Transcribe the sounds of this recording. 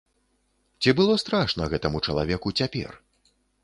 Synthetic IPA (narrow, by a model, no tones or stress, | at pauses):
t͡sʲibɨlˠɔst̪ɾaʂnɐɣɛt̪ɐmut͡ʂɐlˠa̰vʲɛkut͡sʲapʲɛ̰r